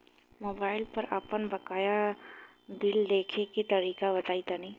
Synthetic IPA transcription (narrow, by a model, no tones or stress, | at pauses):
moːbaːɪlpɐɾɐ̰pənbɐkaːja | bɪld̪eːkʰekit̪ɐɾiːkabɐt̪aːit̪anɐĩː